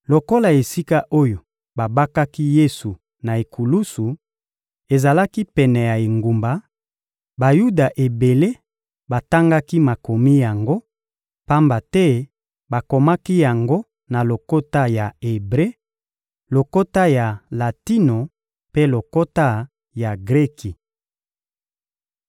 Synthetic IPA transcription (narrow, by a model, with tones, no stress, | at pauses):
lo˨ko˦la˨e˨si˦ka˦ʔo˦jo˨ | ba˨ba˦ka˦ki˦je˦su˨ | na˨e˨kʰu˨lu˦su˨ | e˨za˨la˦ki˦pɛ˨nɛ˨ja˨e˨ŋɡu˨mba˨ | ba˨ju˦da˨ʔe˨be˨le˦ | ba˨ta˦ŋɡa˦ki˦ma˨ko˨mi˦ja˨ŋɡo˦ | pa˦mba˨tɛ˦ | ba˨ko˨ma˦ki˦ja˨ŋɡo˦ | na˨lo˨ko˦ta˦ja˨e˨bʁe˦ | lo˨ko˦ta˦ja˨la˨ti˦no˨ | pe˦lo˨ko˦ta˦ | ja˨ɡʁe˦ki˨